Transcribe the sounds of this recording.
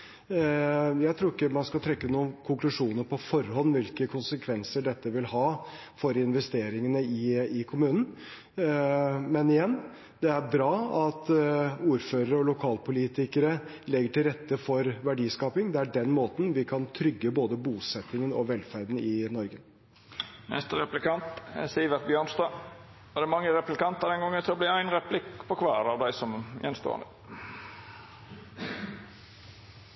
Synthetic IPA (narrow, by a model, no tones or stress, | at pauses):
jæɪt̪ʰɾuːɾɪkːəmɑnskɑt̪ʰɾɛkːənuːəkʰʊŋklʉʂuːnəɾpʰɔfɔɾhɔnːʋɪlkəkʰʊnsəkʰʋɛnsəɖɛt̪ːəʋɪlhɑː | fɔɾɪnʋɛst̪eːɾɪŋənəɪɪkʰʊmʉːnən̩ | mɛnɪjɛnː | d̪ɛæɾbɾɑːɑt̪uːɾføːɾəɾəɔlʊkʰɑːlpʰʊliːt̪ɪkəɾə | lɛɡːəʈɪlɾɛt̪ːəfɔɾʋæɖiːskɑːpɪŋd̪ɛæɖɛnmoːt̪n̩ʋɪkʰɑnt̪ʰɾʏɡːəboːd̪əbuːsɛt̪ːɪŋənɔʋɛlfæɾd̪n̩ɪnɔɾɡə | mɛ̰st̪əɾɛplɪkɑnt̪siːʋət̪̚bjøːɳsd̪ɑː | ɔd̪ɛæmɑŋːəɾɛplɪkɑnt̪əd̪ɛnɡɔŋːənʰɪlɔblɪːæɪnɾɛpʰlɪkpʰɔkʰʋæːɾɑʋd̪æɪsɔmjɛ̰nst̪o̰ːə̰nd̪ə